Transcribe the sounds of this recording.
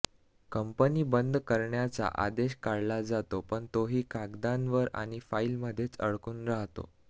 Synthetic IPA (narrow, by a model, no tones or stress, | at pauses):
kəmpəniːbənd̪ʱkəɾɳjat͡sa̰ʔa̰d̪eɕkaɽlad͡zat̪opəɳt̪oɦiːkaɡd̪ãnʋəɾa̰ɽ̃ifailməd̪ʱːjet͡sə̰ɭkuːnɾaɦt̪o̰